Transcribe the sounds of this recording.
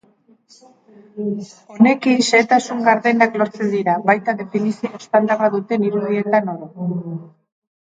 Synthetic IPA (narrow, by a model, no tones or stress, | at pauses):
o̞ne̞kinseːt̪asuŋɡaɾðenakloɾt͡se̞nd̪iɾaβajt̪aðe̞finisioespand̪araðut̪e̞niɾuð̞ie̞t̪anoɾo